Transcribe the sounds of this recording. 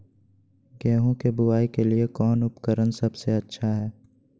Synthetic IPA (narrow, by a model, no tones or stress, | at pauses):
ɡɛːɦõkebʊaːikeliekɔːnʊpkəɾənsɐbseɐtːʃʰaɦɛː